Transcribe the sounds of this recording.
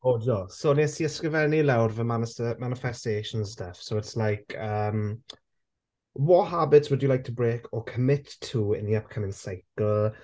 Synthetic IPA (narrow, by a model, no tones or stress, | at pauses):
oːd͡ʒɔsonisiəskɹɪvɛnilawdvəmanɪsəmanɪfɛsteːʃə̃nsstafsowɪtslajkʰəm | wɔtɦabɪtswʊdjəlajk̚tʰəbɹeːkʰəkʰəmɪtʰːuɪ̰̃nðiʌp̚kʰəmɪ̃ŋsaɪkəlˠ